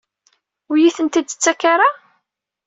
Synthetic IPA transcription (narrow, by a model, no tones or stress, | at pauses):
wjiθənt̪id̪t͡sːækːaɾa